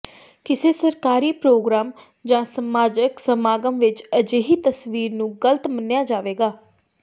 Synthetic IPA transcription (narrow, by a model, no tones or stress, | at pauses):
kɪseːsəɾkaːɾiːpɾoːɡɾaːm | d͡ʒãːsəmaːd͡ʒəksəmaːɡəmʋɪt͡ʃəd͡ʒeːɦiːt̪əsʋiːɾnũːɡələt̪mənːjaːd͡ʒaːʋeːɡaː